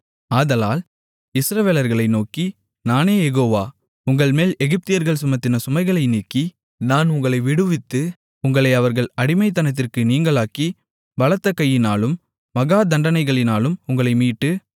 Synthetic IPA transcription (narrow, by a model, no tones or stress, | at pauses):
aːðɐlaːl | ɪsɾɐʋeːlɐɾɣɐɭɐɪnoːki | naːneːjɛɣoːʋaː | ʊŋɡɐɭmeːlɛɣɪp̚t̪ɪjɐɾɣɐɭsʊmɐt̪ːɪnɐsʊmɐɪɣɐɭɐɪniːkːi | naːnʊŋɡɐɭɐɪʋɪɽɯʋɪt̪ːɯ | ʊŋɡɐɭɐɪɐʋɐɾɣɐɭɐɽɪmɐɪt̪ːɐnɐt̪̬ːɪrkɯniːŋɡɐɭaːki | ʋɐlɐt̪ːɐkːɐjːɪnaːlɯmː | ɐɣaːd̪ɐɳɖɐnɐɪɣɐɭɪnaːlɯmʊŋɡɐɭɐɪmiːʈːɯ